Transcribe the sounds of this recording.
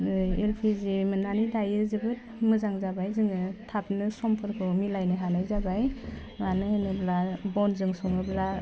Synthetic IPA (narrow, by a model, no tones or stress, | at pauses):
elpʰizimɯnanidajɯzɯbɯt̚ | mɯzaŋzabajzɯŋɯtʰap̚nɯsɔmpʰɯɾkʰɯmilajnɯɦanajzabaj | ŋanɯanɯblabɔnzɯŋsɔŋɯbla